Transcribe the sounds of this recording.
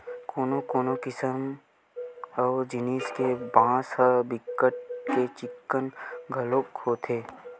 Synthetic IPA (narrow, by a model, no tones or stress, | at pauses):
koːnokoːnokɪsəm | ɔːd͡ʒɪneːskebãːsɦəbɪkːəʈ̚ket͡ʃɪkːənɡʱəloːkhoːt̪ʰeː